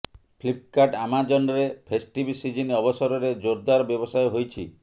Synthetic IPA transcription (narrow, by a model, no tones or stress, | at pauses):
pʰlip̚kaʈamad͡ʒɔnɔɾepʰesʈibisid͡ʒiniɔbɔsɔɾɔɾed͡ʒoɾd̪aɾɔbjɔbɔsajɦojt͡ʃʰḭ